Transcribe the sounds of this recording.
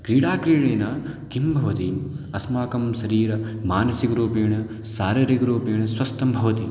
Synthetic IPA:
kɾiːɽaːkɾiːɽeːnɐk̪imbʱɐʋɐt̪iɐsmaːkɐmsɐɾiːɾɐmaːnɐsikɐɾuːpeːɳɐ | saːɾɐɾikɐɾuːpeːɳɐsʋɐst̪ɐmbʱɐʋɐt̪i

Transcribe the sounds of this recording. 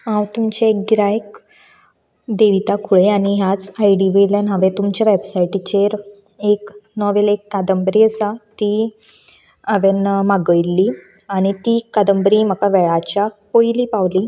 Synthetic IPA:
ɦãwt̪umt͡ɕaekɡɾajk | d̪eʋit̪akʰuɭeaɽ̃iɦjat͡sajɖiʋiljanɦəʋet̪umt͡ɕaʋebsajʈit͡ɕeɾ | eknɔʋelekːad̪əmbɾiəsat̪i | əʋenmaɡəjlːi | aɽ̃it̪ikad̪əmbɾim̤əkaʋɛɭat͡ɕapojlipaʋli

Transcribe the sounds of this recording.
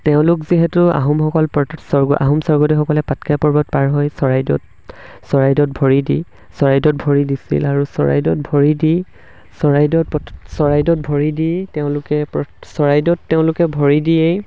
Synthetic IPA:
teʊ̃lʊkziɦɛtʊa̰ɦɔmxɔkɔlpsɔɹɡʔa̰ɦɔmsɔɹɡɔdixɔkɔlɛpatkajpɔɹbɔt̚paɹɦɔjsɔɹajdɔ̰t | sɔɹajdɔt̚bʱɔɹidi | sɔɹajdɔt̚bʱɔɹidisḭlaɹusɔ̰ɹa̰jdɔt̚bʱɔɹidi | sɔɹajdɔt̚pɔsɔɹajdɔt̚bʱɔɹiditɛʊ̃lʊkɛpɔsɔɹajdɔtːɛʊ̃lʊkɛbʱɔɹidijej

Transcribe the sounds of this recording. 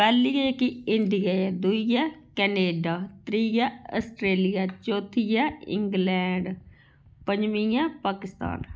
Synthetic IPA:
pɛːlijakiɪɳɖijaːjad̪uijaːkɛːneːɖaːt̪ɾiːjaːəsʈɾeːlijaːt͡ʃoːt̪ʰijaːɪ̰ŋɡlɛ̃ːɳɖ | pəɲd͡ʒmĩjaːpaːkɪst̪a̰ːn

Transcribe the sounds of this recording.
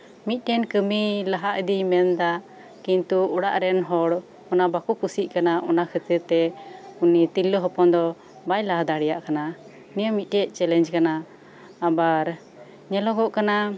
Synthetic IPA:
mit̪̚ˀɾɛnkəmilaɦaʔəd̪imɛnd̪a | kint̪uɔɽaʔɾɛnɦɔɽ | ɔnabakukusiʔ̚kanaʔɔnakʰət̪iɾt̪ɛunit̪ilːəɦɔpɔnd̪ɔ | bajlaɦad̪aɽɛjaʔkana | nijamit̪̚ˀʈɛʔ̚ˀt͡ʃɛlɛnd͡ʒkanaː | baɾ | ɲɛlɔɡɔʔkana

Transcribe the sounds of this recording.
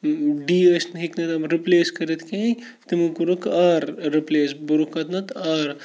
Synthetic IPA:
ɖiːəsnɦiknɐt̪ɐbɾipleːskɐɾit̪kẽ | t̪imukuɾukaːɾːipleːsbuɾukɐt̪nɐt̪aːɾ

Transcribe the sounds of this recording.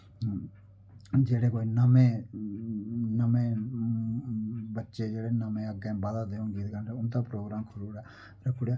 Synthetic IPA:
d͡ʒeːɽeːkoːinəmeː | nəmẽː | bətːʃed͡ʒeːɽeːnəmẽəɡɛ̃baːd̪aːd̪eõːɡiːd̪kəɳʈeʊnt̪̬aːpɾoːɡɾaːmkʰʊɾuːɽaː | ɾəkʰːʊɽja

